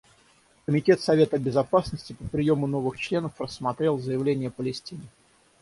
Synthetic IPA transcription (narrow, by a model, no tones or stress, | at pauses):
kəmʲɪtʲe̞t̪sɐvʲe̞t̪əbʲɪzɐpasnəsʲtʲɪpəpɾʲɪjo̞mʊno̞vɨxt͡ɕlʲe̞nəfrəsːmɐt̪ɾʲe̞lˠzəjɪvlʲenʲɪjəpəlʲɪsʲtʲinʲɪ